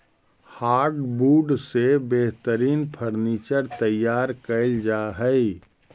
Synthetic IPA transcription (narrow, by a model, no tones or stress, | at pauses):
haːɾʈbuːɖsebeɦt̪əɾiːnpʰəɾniːt͡ʃəɾt̪əjːaːɾkəɪld͡ʒaːɦəi